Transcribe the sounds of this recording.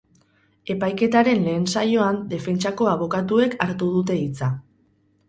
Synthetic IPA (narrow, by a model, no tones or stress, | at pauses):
e̞pajke̞t̪aɾe̞nle̞ːnsajo̞and̪e̞fe̞nt͡ʃako̞aβ̞o̞kat̪ue̞kaɾt̪uð̞ut̪e̞it͡sa